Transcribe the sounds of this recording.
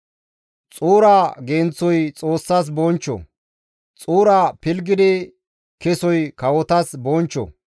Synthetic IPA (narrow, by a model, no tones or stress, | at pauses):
t͡sʼuːɾaːɡeːnt͡sːɔjt͡sʼoːsːas̬bɔːnt͡ʃːɔ̰ | t͡sʼuːɾaːpɪlɡɪd̪ɪ | kɛsɔjkɐwɔt̪ɐsboːnt͡ʃːɔ̰